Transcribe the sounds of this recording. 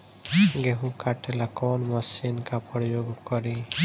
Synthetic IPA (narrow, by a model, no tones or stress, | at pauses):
ɡeɦũkaʈɛlakɔnmasinkapɔɾijoɡɔkɔɾi